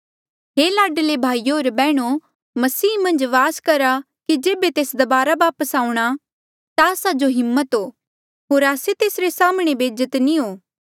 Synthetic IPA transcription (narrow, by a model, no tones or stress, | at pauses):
ɦeːlaːɖlebʱaːijoːɾbɛːɽ̃o | mɐsiːmɐ̃nd͡ʒʋaːskɐɾa | kid͡ʒeːbet̪eːsd̪ɐbaːɾaʋaːpəsaːũɽ̃a | t̪aɐsad͡ʒoɦɪmːət̪ɦoː | ɦoːɾaːset̪eːsɾesaːmɽ̃ebeːd͡ʒət̪niɦoː